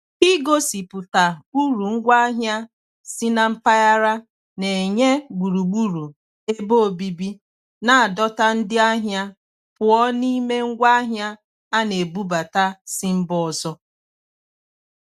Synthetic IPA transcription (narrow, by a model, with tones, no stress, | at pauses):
i˦ɡo˦si˨pʊ˨ta˨u˦ɾu˨ŋ̩˦ɡʷa˦ɦja˦ | sɪ˦na˦m̩˦pa˦ja˦ɾa˦ | ne˨e˨ɲe˦ɡ͡bu˨ɾu˨ɡ͡bu˦ɾu˨ | e˦bo˦o˨bi˦bi˦ | na˨a˨dɔ˦ta˦n̩˦dɪ˦a˦ɦja˦ | pʊ˨ɔ˦ni˦me˦ŋ̩˦ɡʷa˦ɦja˦ | a˦ne˨bu˦ba˨ta˦sɪ˦m̩˦bɔ˦˨ɔ˨zɔ˦